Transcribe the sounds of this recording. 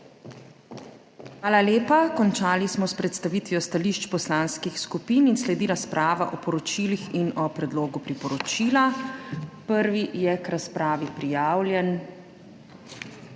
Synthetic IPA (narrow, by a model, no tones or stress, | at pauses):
xʋaːlaleːpakɔnt͡ʃaːlismɔspɾɛt̪st̪aʋiːt̪ʋjɔst̪aliʃt͡ʃpɔslaːnskixskupiːninslɛd̪iɾaspɾʔaːʋa̰ʔɔpɔɾɔt͡ʃiːlixinɔpɾɛd̪loːɡupɾipɔɾɔt͡ʃiːla | pəɾʋijɛkɾaspɾaːʋipɾijaːwljɛn